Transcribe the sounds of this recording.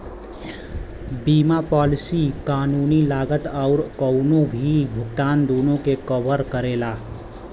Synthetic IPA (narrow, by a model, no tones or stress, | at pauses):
biːmapɔlisikaːnunilaɡət̪aʊɾkəʊnobʱibʱʊɡt̪aːnd̪onõkekəbəɾkəɾela